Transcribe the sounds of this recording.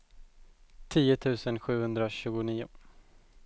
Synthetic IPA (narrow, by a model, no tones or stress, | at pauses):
t̪ʰiːʊt̪ʰʉ̟ːsənɧʉ̟ːhɵnd̪ɾaɕʉ̟ːɡʊniːʊ̰